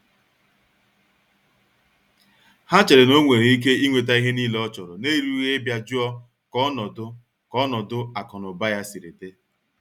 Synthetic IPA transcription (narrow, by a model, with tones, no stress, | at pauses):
ha˦t͡ʃe˨ɾe˨no˦ŋʷe˨ɾe˨i˦k̬e˦i˦ŋʷe˨t̬a˦i˦ɦe˦niː˦lɔ˦t͡ʃɔ˨ɾʊ˨ne˦ɾu˦ɣe˦bja˦d͡ʒʊ˦ɔ˦ | kɔ˦nɔ˨dʊ˦ | kɔ˦nɔ˨dʊ˦a˨kɔ˨nɔ˨ba˦ja˦si˨ɾḛ˨te˦